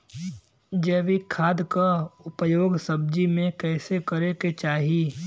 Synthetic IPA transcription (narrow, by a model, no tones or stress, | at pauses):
d͡ʒɛːʋikʰaːd̪kaʊpjoːɡsɐb̚d͡ʒimẽkɛːsekɐɾeket͡ʃaːɦi